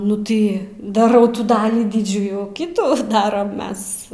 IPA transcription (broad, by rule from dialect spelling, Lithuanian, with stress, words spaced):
nʊ ˈtɐɪ dɐˈrɐʊ ˈtuː ˈdɑːlʲiː ˈdʲɪd͡ʒʲuːjuː ˈkʲɪtuː ˈdɑːrɐm ˈmʲɛs